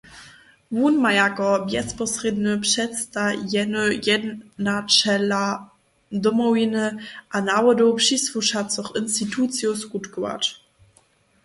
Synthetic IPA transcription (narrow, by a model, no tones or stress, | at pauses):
vuːnmajakɔbjɛspɔsʁednəpʃɛtt͡stajɛnəjɛdnat͡ʃɛla | dɔmɔwinəʔanawədopʃisfuʃatt͡sɔχɪnstitʰuːt͡sjosɡutɡəva̰t